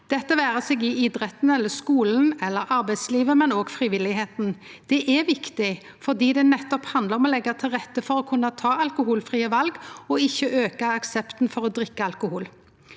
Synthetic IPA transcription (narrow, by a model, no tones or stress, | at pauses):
d̪̥ɛt̪ːəʋæːʁəseːɡɪɪd̪ɾɛt̪n̩ɛlːəskuːlnn̩ɛlːəɾɑɾbæɪd̪sliːʋəmɛnoːɡfʁɪʋɪlːɪheːt̪n̩ | d̪̥ɛʔɛʋɪkt̪ɪ | fɔʁd̪iːd̪ɛnɛt̪ːɔphɑnd̪ləʁɔmɔlɛɡːɑt̪ʰɪlʁɛt̪ːəfɔɾɔkʰʉnːɑt̪ʰɑːɑlkʊhuːlfʁiːəʋɑlɡɔɪçːəʔøːkɑɑksɛpt̪n̩fɔɾɔd̪ʁɪkːəɑlkʊhuːl